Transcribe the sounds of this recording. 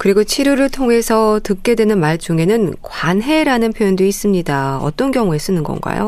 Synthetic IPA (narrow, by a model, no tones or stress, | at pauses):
kɯɾiɡot͡ɕʰiɾuɾɯɭtʰoŋɦe̞sʰʌtɯk̚k͈e̞dwe̞nɯnmaɭt͡ɕuŋe̞nɯnkwanɦe̞ɾanɯnpʰjojondois͈ɯmɲidaʌ̰t͈ʌnkjʌŋue̞s͈ɯnɯnɡʌ̰nɡa̰jo̰